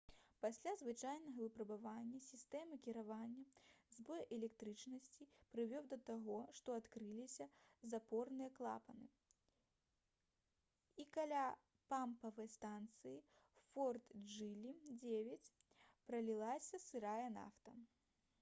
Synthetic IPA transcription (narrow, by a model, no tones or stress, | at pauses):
pasʲlʲazvɨt͡ʂajnɐɣɐvɨpɾɐbavanʲːɐsʲist̪ɛmɐkʲiɾavanʲːɐzbɔjʔɛlʲɛk̚t̪ɾɨt͡ʂnɐsʲt͡sʲipɾɨvʲɔwd̪ɐt̪aɣɔʂt̪ɔat̪kɾɨlʲisʲɐzapɔrnɨjɐklˠa̰pɐnɨ | ikalʲa | pampɐvɐjst̪ant̪sɨjifɔrt̪d͡ʐɨlʲid͡zʲevʲɐt͡sʲpɾɐlʲilˠasʲɐsɨɾajɛna̰ft̪ɐ